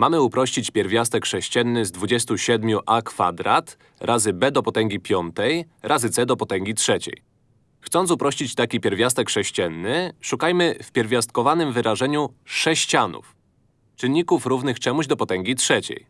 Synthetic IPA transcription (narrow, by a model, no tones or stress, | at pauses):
mamɘupɾɔɕt͡ɕit͡ɕpʲjɛɾvʲjast̪ɛkʂɛɕt͡ɕɛnːɘzd̪vud͡ʑɛst̪uɕɛd̪mʲjuʔakfa̰d̪ɾat̪ | ɾʔazɘbɛd̪ɔpɔt̪ɛŋɡʲipʲjɔnt̪ɛjɾʔazɘt̪sɛd̪ɔpɔt̪ɛŋɡʲitʂɛt͡ɕɛ̰j | xt̪sɔnt̪upɾɔɕt͡ɕit͡ɕt̪akʲipʲjɛɾvʲjast̪ɛkʂɛɕt͡ɕɛnːɘʂukajmɘfpʲjɛɾvʲjast̪̚kɔvanɘmvɘɾaʐɛɲuʂɛɕt͡ɕanṵf | t͡ʂɘnːikufɾuvnɘxt͡ʂɛmuʑd̪ɔpɔt̪ɛŋɡʲitʂɛt͡ɕḛj